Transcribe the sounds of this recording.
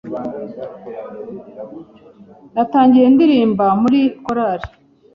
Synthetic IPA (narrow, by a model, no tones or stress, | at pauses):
nataːɲɟiɾendiɾiːmbamuɾikoɾaɾi